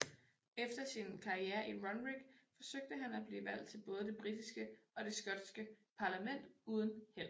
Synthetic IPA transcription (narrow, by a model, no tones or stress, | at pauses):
efd̥ɐsinkʰɑ̈ieːɐʔiʁɒ̽nʁiɡ̥fɒ̽søɡ̥̚d̥əɦænæb̥liːʋæl̰d̥̚t͡sʰe̝lb̥ɔ̽ːð̞ˠəd̥e̝b̥ʁid̥isɡ̥əɒ̽ɾ̥e̝sɡ̥ɒ̽d̥sɡ̥əpʰɑ̈læmen̰d̥uːð̞ˠən̩hel̰